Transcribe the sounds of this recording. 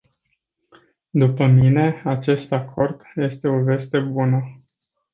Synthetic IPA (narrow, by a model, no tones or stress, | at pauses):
d̪upəmine̞at͡ʃe̞st̪akʰo̞rd̪̥je̞st̪e̞o̞ve̞st̪e̞bunə